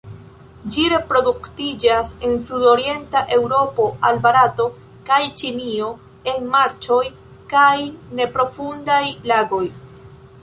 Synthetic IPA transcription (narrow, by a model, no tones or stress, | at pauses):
d͡ʒiɾe̞pɾo̞duktid͡ʒase̞nsudoɾie̞ntaʔe̞wɾo̞po̞ʔalbaɾato̞ | kajt͡ʃinio̞ | e̞nmaɾt͡ʃo̞j | kajne̞pɾo̞fundajlaɡo̞j